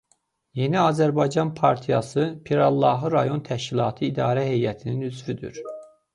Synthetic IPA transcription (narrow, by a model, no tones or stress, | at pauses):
je̞niɑzæɾbɑjd͡ʒɑnpʰɑɾt̪ʰijɑsɯpʰiɾɑlˠːɑɦɯɾɑjo̞nt̪ʰæʃcilˠɑːt̪ʰɯid̪ɑːɾæɦe̞jæt̪ʰininyzvyd̪y̰ɾ